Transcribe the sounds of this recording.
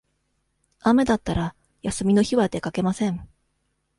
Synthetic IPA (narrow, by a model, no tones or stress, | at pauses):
ame̞d̪at̪ːaɾa | jasɨmʲino̞çiβad̪e̞kake̞masẽ̞ɴ